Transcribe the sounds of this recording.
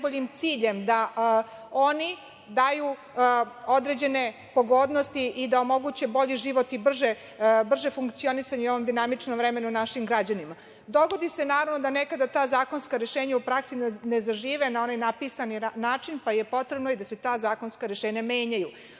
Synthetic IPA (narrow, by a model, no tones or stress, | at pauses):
boʎimt̪siːʎe̞md̪a | oni | d̪aju | od̪ɾe̞d͡ʑe̞ne̞ | po̞ɡo̞ːd̪nost̪iʔid̪ao̞mo̞ɡuːt͡ɕebo̞ʎiʒiːʋo̞t̪ibr̩ʒe | br̩ʒefuŋkt̪sio̞nisaɲeo̞ʋomd̪inamit͡ʂnomvɾeme̞nunaʃimɡɾad͡ʑanima | d̪o̞ɡo̞d̪ise̞naːɾaʋnod̪anekad̪at̪aːzaːko̞nskaɾeʃeːɲaupɾaksinnezaʒiːʋenao̞najnapiːsaninaːt͡ʂinpajepo̞t̪ɾe̞bnojid̪ase̞t̪aːzaːko̞nskaɾeʃeːɲameːɲaju